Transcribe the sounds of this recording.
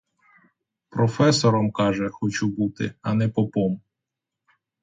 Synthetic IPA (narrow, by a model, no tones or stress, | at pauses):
pɾɔfɛsɔɾɔmkɑʒɛxɔt͡ʃubut̪ɪ̰ɐnɛpɔpɔm